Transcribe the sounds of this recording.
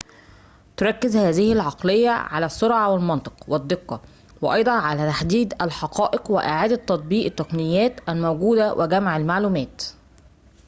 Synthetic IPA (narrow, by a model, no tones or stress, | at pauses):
t̪ʊɾˤɑkːɪzhæːzɪhɪlʕɑqlejːæ̰ʕa̰læsːoɾʕɑwɪlmɑnt̪ˤɨ̥qwɪd̪ːɪqːɑ | wɪʔɑjd̪ˤɑnʕalæt̪aħd̪iːd̪ælħɑqɑːʔɪqwɪʔɪ̰ʕaːd̪æt̪ːɑt̪̚ˤbiːʔt̪ːæqnɪjːæːt̪ʔælmæwɡuːd̪æwʔɪ̰ɡæmʕalmaʕluːmæːt̪